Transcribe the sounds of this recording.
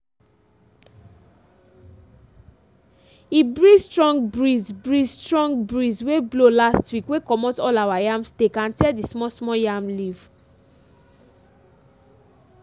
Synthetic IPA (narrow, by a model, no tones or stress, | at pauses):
ibɹistɹɔ̃ŋɡbɹizbɹistɹɔ̃ŋɡbɹizweblolastwikwekɔmotɔlawajãmstekãntɛdismɔsmɔjamliv̥